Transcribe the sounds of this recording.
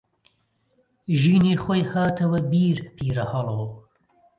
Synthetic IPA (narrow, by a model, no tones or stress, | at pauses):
ʒinixojhaːt̪ʰɐwɐbiːɾpʰiːɾɐhɐloː